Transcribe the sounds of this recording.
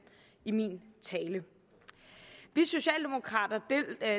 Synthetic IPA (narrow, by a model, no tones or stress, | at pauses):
imḭnt͡sʰɛːlə | ʋiso̝ɕɛ̰ːld̥e̝mo̝kʰʁɑ̰̈ːd̥ɐ̥